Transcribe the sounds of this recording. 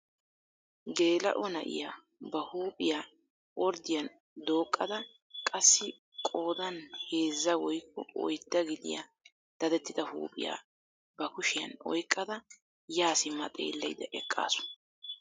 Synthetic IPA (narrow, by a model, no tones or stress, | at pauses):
ɡe̞ːlɐ̰ʔɔnɐʔɪ̰ja | bɐhuːpʼɪjaː | ʔɔɾd̪ɪjɐn | d̪o̞ːkʼːɐd̪ɐ | kʼɐsːɪ | kʼo̞ːd̪ɐnhe̞ːzːɐwɔjkːʊɔ̰jd̪ːɐɡɪd̪ɪ̰ja̰ | d̪̥ɐd̪ɛt̪ːɪd̪ɐhṵːpʼɪ̰ja̰ː | bɐkʊʃɪjɐ̰nɔ̰jkʼːɐd̪ɐ | jaːsɪmːɐt̪ʼḛːlːɐjd̪ɐʔɛkʼːa̰ːsʊ̥